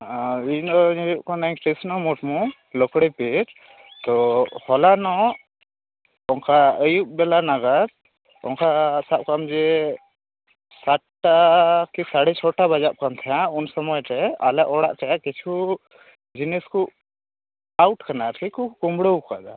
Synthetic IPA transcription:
inɔɲjuʔkɔnaŋʈɛsnɔmɔʈmɔ | lɔkɽɛpeɾ | t̪ɔhɔlanɔ | ɔŋkaəjuʔ̚bɛlanaɡaɾ̚ | ɔ̰ŋkasap̚kamd͡ʒɛ | saʈʈakisaɽɛt͡ʃʰɔʈabad͡ʒap̚kamt̪ʰaaunsɔmɔjʈɛalɛʔɔɽa̰ʔt͡ʃaaʔkit͡ʃʰu | d͡ʒiniskuʔ | awʈkanaɾʰikukumbɽəwkad̪a

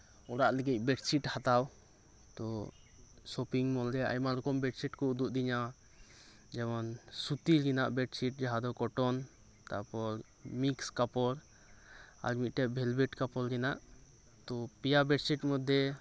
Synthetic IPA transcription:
ɔɾaʔlɛɡic̚bɛʈsiʈhat̪aw | t̪ɔ | sɔpiŋmɔld̪ɛa̰jmalɔkɔmbɛʈsiʈkɔud̪uʔd̪iɲa | d͡ʒɛmɔnsut̪iɡinaʔbɛʈsiʈ̚d͡ʒaɦad̪ɔkɔʈɔn | t̪a̰ʔpɔɾ | mikskapɔɾ | a̰ɾmit̪̚ˀʈɛʔbʱɛlbɛʈkapɔlɡinaʔ | t̪ɔpijabɛʈsiʈmɔd̪ʱjɛ

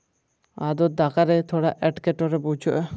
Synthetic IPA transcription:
ad̪ɔd̪akaɾɛt̪ʰɔɽaʔɛʈkɛʈɔɾɛbut͡ʃʰɔʔɛ

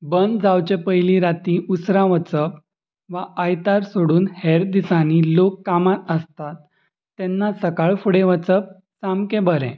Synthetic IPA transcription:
bənd̪d͡zawt͡ɕepəjliɾat̪ĩʔusɾãʋət͡səp | ʋaʔəjt̪aɾsoɽuːnhɛɾd̪isaniːlokːamat̪əst̪at̪ː | ɛnːasəkaɭfuɽeʋət͡səp̚ | samkẽbəɾɛ̰̃

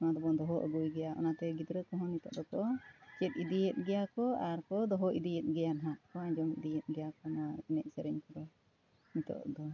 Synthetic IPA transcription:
ɔnad̪ɔbɔd̪ɔɦɔʔə̰ɡujɡɛjaʔɔ̰nat̪ɛɡid̪ɾəkɔɦɔ̃nit̪ɔ̰ʔd̪ɔkɔt͡ʃɛt̪̚id̪ijɛt̪̚ˀɡɛjakɔaɾkɔd̪ɔɦɔʔid̪ijɛt̪̚ˀɡɛjanɦaʔkɔad͡ʒɔmḭd̪ijɛt̪̚ɡɛjakɔnaɛnɛʔ̚sɛɾɛɲkɔɾɔ | nit̪ɔ̰ʔd̪ɔ

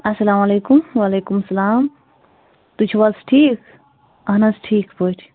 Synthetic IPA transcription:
ɐsɐlaːmaleːkumwaleːkumɐsɐlaːm | t̪ut͡ʃʰuwalsʈʰik | ɐɦnasʈʰiːkpoʈʰi̥

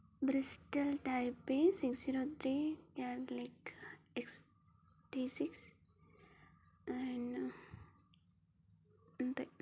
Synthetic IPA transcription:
bɾisʈəlʈaɪpẽnsiksiɾot̪ɾijalaɪkeks | ʈisiks | ɛ̃ɳɖ | nt̪e

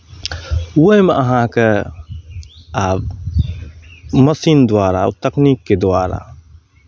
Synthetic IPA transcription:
wəimeʔɐɦãke | aːb | mɐsiːnd̪waːɾa̰t̪ɐkniːkːed̪ʊaːɾa̰

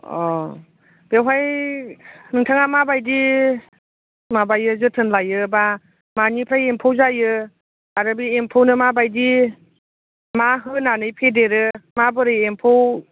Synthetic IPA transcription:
ɔ | b̥ewɦaj | nɯŋtʰaŋamabajdi | mabajɯzɯtʰɯnlajɯba | manipʰɾajempʰowzajɯ | aɾɯbiempʰownɯmabajdi | maɦɯnanɯjpʰedeɾɯmabɯɾɯempʰow

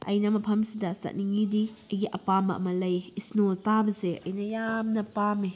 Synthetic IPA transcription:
ɐjnɐmɐpʰɐmsidɐsɐ̰t̚niŋidiɐjɡiʔɐpamɐʔɐmɐlɐjisnotabɐseʔɐjnɐjamnɐpami

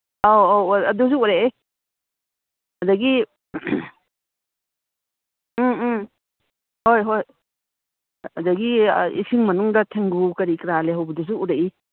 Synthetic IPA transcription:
awaɐdus̬uuɾee | adɐɡi | m | hojɦoj | adaɡiḭsiŋmɐnuŋdɐtʰeŋɡukɐɾikɾaleɦawbɐdus̬uʔuɾeʔi

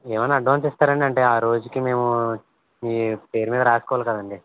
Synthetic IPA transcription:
eːʋɐnːaːɖʋaːnsist̪aːɾɐɳɖiɐɳʈe̞ːaːɾo̞ːd͡ʒukime̞ːmu | iːpe̞ːɾumiːd̪ɐɾaːsukɔʋaːlkɐd̪ɐɳɖi

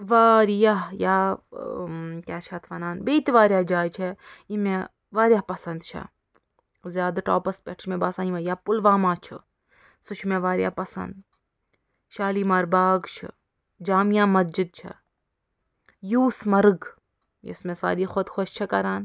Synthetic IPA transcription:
ʋaːɾjaɦjaː | kʲaːt͡ʃʰɐt̪ʰʋɐnaːnbeːt̪iʋaːɾʲjaːd͡ʒaːjt͡ʃʰeime | ʋaːɾʲjaːɦpɐsɐnd̪t͡ʃʰɐ̰ | zjaːd̪ʈo̰ːpɐspʲeʈʰt͡ʃʰmẽbaːsãːimɐ̃jaːpʊlʋaːmaːt͡ʃʰɨ̰ | sut͡ʃʰmẽʋaːɾja̰ːpɐsɐ̰nd̪ | ʃaːliːmɐɾbaːɡt͡ʃʰɨ̰ | d͡ʒaːmjaːmɐzd͡ʒid̪̚t͡ʃʰɐ̰ | juːsmɐɾɡ | jɪ̰smẽsa̰ːɾiːxod̪xʰoʃt͡ʃʰɐkɐɾaːn

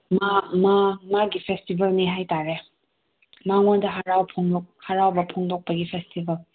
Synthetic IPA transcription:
mamamaɡipʰestibɐlniɦajtaɾe | maŋondɐɦaɾawpʰoŋdok̚haɾawbɐpʰoŋdok̚pɐɡipʰestibɐl

